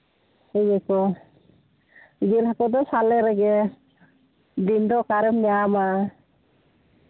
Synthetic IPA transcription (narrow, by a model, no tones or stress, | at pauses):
hɛjɛkɔ | ɡilhakɔd̪ɔsalɛɾɛɡɛ | d̪ind̪ɔkaɾɛmɲaama